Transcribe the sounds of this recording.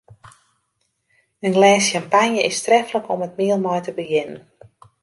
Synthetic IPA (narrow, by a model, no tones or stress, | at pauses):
ənlɛːsjampanjəʔɪstrɛfləkɔmət̚miəlˠmɔjtəbəjɪnən